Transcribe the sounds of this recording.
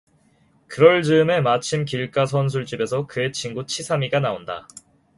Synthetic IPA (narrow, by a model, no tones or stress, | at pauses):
kɯɾʌɭd͡ʑɯme̞mat͡ɕʰimk̬iɭk͈as̬ʰʌns̬ʰuɭt͡ɕ͈ibe̞sʰʌkɯe̞t͡ɕʰiŋɡut͡ɕʰisʰamiɡanaonda̰